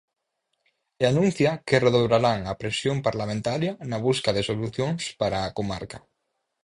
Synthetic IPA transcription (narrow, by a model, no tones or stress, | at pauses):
eanũnθjakereðoβɾaɾaŋapɾesjompaɾlamẽnt̪aɾjanaβ̞uskaðesoluθjoŋspaɾaːkoma̰ɾka